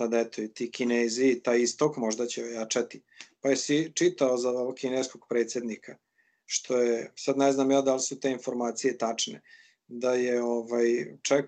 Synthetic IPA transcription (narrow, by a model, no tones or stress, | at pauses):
sad̪ɛt̪oit̪ikineːziːt̪aːjist̪okmo̞ʒd̪at͡ɕeojat͡ʃat̪i | pajesit͡ʂit̪aozaokineskoɡ̥pɾeːt̪sjed̪nikʰa | ʃt̪ʰo̞jesad̪nɛznaːmjaːd̪alisut̪e̞info̞ɾmaːt̪sijet̪at͡ʂne | d̪ajeovajt͡ʂɛk